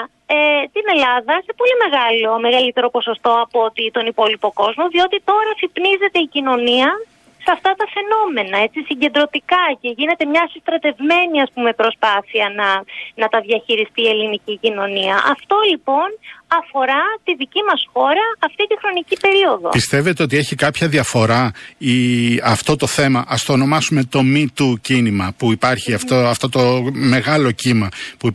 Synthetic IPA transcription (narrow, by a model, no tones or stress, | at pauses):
et̪ine̞lɐðɐse̞po̞lime̞ɣɐlo̞me̞ɣɐlit̪e̞ɾo̞po̞so̞st̪o̞ɐpoot̪it̪o̞nipo̞lipo̞ko̞zmo̞ðio̞t̪it̪o̞ɾɐθipnize̞t̪e̞icino̞niɐ | sɐft̪ɐt̪ɐfe̞no̞me̞nɐe̞t͡sisiɲɟend̪ɾo̞t̪ikɐce̞ʝine̞t̪e̞mɲɐsist̪ɾɐt̪e̞vme̞niɐspume̞pɾo̞spɐθiɐnɐnɐt̪ɐðʝɐçiɾist̪ie̞linicicino̞niɐʔɐft̪o̞lipo̞nɐfo̞ɾɐt̪iðicimɐsxo̞ɾɐɐft̪it̪ixɾo̞nicipe̞ɾio̞ðo̞̰pist̪e̞ve̞t̪e̞o̞t̪ie̞çikɐpçɐðiɐfo̞ɾɐiɐft̪o̞t̪o̞θe̞mɐʔɐst̪o̞ːno̞mɐsume̞t̪o̞mit̪ucinimɐpuipɐɾçiɐft̪oɐft̪o̞t̪o̞me̞ɣɐlo̞cimɐpu